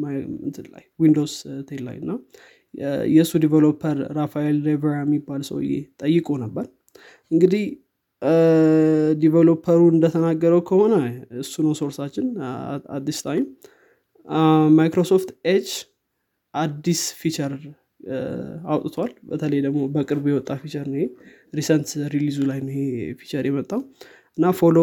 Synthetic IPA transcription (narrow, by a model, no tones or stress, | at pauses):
ɨnt̪ʰɨla̰jwind̪o̞wst̪ʰelːa̰jɨnːa | jɛɨsːud̪ivelo̞pʰːəɾːafajelɾevəɾɛmːibːalsə̰wɨ̰jḛt̪ʼəjːɨkʼonəbːəɾ | ʔɨŋɡɨd̪ih | d̪ivelo̞pʰːəɾuɨnd̪ət̪ʰənaɡːəɾəwkʰəho̞nəɨsːunəwso̞ɾsat͡ʃːɪna̰d̪ːist̪ʰajm | majkɾo̞so̞ft̪et͡ʃ | ʔad̪ːisfit͡ʃəɾ | awt̪ʼɨt̪ʰwalbət̪ʰələjd̪əɡmo̞bəkʼɨɾbjɛwɔt̪ʼːafit͡ʃəɾnəhe | ɾisənt̪ɾilizulajnojefi̥t͡ʃəɾjɛmət̪ʼːaw | ʔɨnːafolo